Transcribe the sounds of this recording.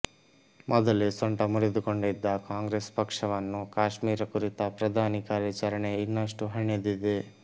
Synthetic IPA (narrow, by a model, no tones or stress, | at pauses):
mʔɔd̪ɐlesɔɳʈɐmuɾed̪ukoɳɖid̪ːɐkaːŋɡɾespɐkʂɐʋɐnːukaːʂmiːɾɐkuɾit̪ɐpɾɐd̪ʱaːnikaːɾjɐt͡ʃɐɾɐɳeinːɐʂʈuɦɐɳjɐd̪id̪e